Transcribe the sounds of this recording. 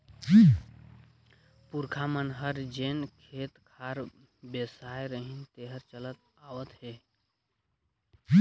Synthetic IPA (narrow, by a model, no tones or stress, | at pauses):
d͡ʒi | puɾkʰamənɦəɾd͡ʒenkʰet̪kʰaɾbesajɾəɦint̪eɦəɾt͡ʃələt̪̚ | aʋət̪ɦe | i